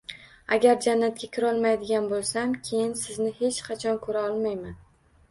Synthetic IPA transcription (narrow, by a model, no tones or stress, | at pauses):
aɡʲaɾd͡ʒanːat̪̚kʲakʲʰɪɾɒlˠmajd̪ɪɡʲanbolˠsamkʲʰe̞jɪnsɪznɪhe̞t͡ʃqʰɑt͡ʃʰɒnkʰɵɾaɒlˠmajman